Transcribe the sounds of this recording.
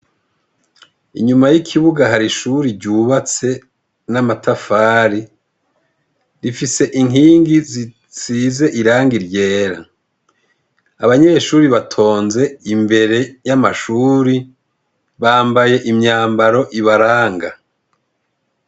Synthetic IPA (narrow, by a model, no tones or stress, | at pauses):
ḭɲumajikʰiβuɡaɦaɾiʃuɾiɾɟuβat͡se̞ | namatʰafaːɾi | ɾifise̞ʔiŋiːŋɡizi | t͡siːze̞ʔiɾaːŋɡiɾje̞ːɾa̰ | aβaɲe̞ʃuːɾiβatʰo̞ːnze̞imbe̞ɾe̞jamaʃuːɾi | βaːmbaje̞ʔimɲaːmbaɾo̞ʔiβaɾaːŋɡa